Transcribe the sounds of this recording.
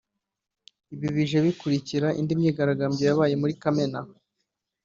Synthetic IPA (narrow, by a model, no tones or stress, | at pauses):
iβiβiʒeβikuɾiciɾaʔḭndimɲiːɡaɾaɡaːmɟojaβaːje̞muɾikame̞na